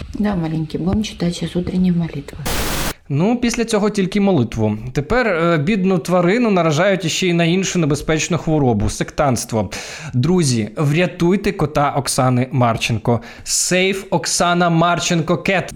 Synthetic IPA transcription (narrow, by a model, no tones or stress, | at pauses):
d̪amɐlʲinʲkʲibuɪmt͡ʃɪ̥t̪at͡ʃʲɛzut̪ɾʲɪnʲːimɐlʲit̪ʋɪnupʲisʲlʲɐt͡sʲɔɦɔtʲilʲkɪmɔlˠɪt̪ʋʊt̪epɛrbʲid̪nʊt̪ʋɐɾɪnʊnɐɾɐʒɑjʊtʲjɐʃt͡ʃːɛinɐinʃʊnebespɛt͡ʃnʊxʋɔɾɔbʊsekt̪ɑnst̪ʋɔ | d̪ɾuzʲiʋɾʲɐt̪ujt̪ɪkɔt̪ɑʔɔksɑnɪmɑrt͡ʃɪnkɔ | sɛjfɔksɑnɐmɑrt͡ʃenkɔkɛt̪